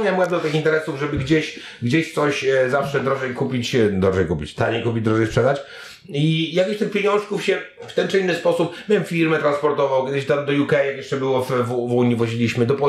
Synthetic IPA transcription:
ɲamwɛb̪d̪ɔt̪ɪxint̪ɛɾɛsuvʐɛbɘɡd͡ʑeɕ | ɡd͡ʑeɕt̪sɔɕzafʂɛd̪ɾɔʐɛjkupʲit͡ɕd̪ɔʐɛjkupʲḭt͡ɕt̪aɲejkupʲid͡ʑd̪ɾɔʐɛjspʂɛd̪at͡ɕ | ijak̬ʲɔɕt̪ɪxpʲejɔ̃w̃ʂkufɕɛ | ft̪ɛnt͡ʂɨinːɨspɔsupmʲɛɛmfʲiɾmɛt̪ɾanspɔɾt̪ɔvawkʲɛd̪ɪɕt̪amd̪ɔjukɛjakjɛʂt͡ʂɛbɘwɔfvuvuɲivɔʑilʲiɕmɘd̪ɔpɔ

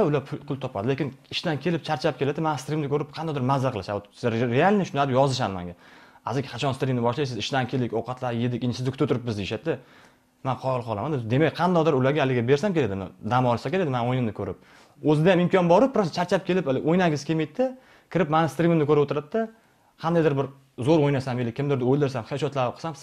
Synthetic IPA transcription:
ʊlapʰʊpʰʊlt̪ʰɒpad̪ɪle̞kʲɪnɪʃt̪ankʲʰe̞lɪp̚t͡ʃʰaɾt͡ʃʰap̚kʲelad̪ɪmanɪst̪ɾimnɪkʰɵɾɪp̚qʰɑnd̪ɒd̪ɪɾmazaɾqɨlˠɪʃaɾealʲnɪʃʊnad̪ɪjɒzɪʃ̬anɪma̰ŋɡʲaazɪkʲχʰɑt͡ʃʰɒnst̪ɾimnɪbɒʃlajs̬ɪzɪʃt̪ankʲʰe̞lɪkʲowqʰɑt̪ʰlaɾjed̪ɪkʲɪnsɪzɪkʰʊt̪ʰʊt̪ʰʊɾɪp̚bɪzd̪ejɪʃat̪d̪ɪ | manqʰɒjɒlˠqʰɒlˠamand̪ɪzd̪e̞mak̚ʲqʰɑnd̪ɒd̪ɪɾʊlaɾɡʲaalɪɡʲabe̞ɾs̬amkʲeled̪ɪmnɪ̰d̪amɒlˠsakʲeɾed̪ɪmanojnɪmnɪkʰɵɾɪ̰p̚ | ɵzɪd̪ajamɪmkʰɒnbɒɾɪp̚pɾɒst͡ʃʰaɾt͡ʃʰap̚kʲe̞lɪpalɪʔojnaŋʲɡʲɪz̥kʲemejt̪d̪ɪ | kʲʰɪɾɪpmanɪst̪ɾimɪmnɪkʰɵɾɪpot̪ʰɪɾat̪̚ːa | qʰɑnd̪ajd̪ɪɾbɪɾ | zoɾojnasamjelɪkʰʲːɪmd̪ɪɾd̪ɪojlˠd̪ɪɾs̬amχeʃɒt̪laɾqʰɨ̥sams

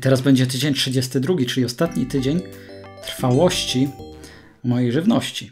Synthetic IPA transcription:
t̪ɛɾazbɛɲd͡ʑɛt̪̬ɘd͡ʑeɲtʂɘd͡ʑɛst̪ɘd̪ɾuɡʲit͡ʂɘlʲiɔst̪at̪ɲit̪ɘd͡ʑeɲt̪ɾfawɔɕt͡ɕi | mɔjejʐɘvnɔɕt͡ɕi

